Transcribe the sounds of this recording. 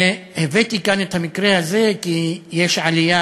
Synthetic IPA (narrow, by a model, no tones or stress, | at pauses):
hevet̪ikane̞t̪hamikʁehaze̞kijeʃʕalija